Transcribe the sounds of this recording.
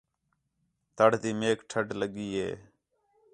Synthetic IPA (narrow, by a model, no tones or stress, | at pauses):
t̪əɽ̤t̪iːmeːkʈʰəʈləɠiːɦḛː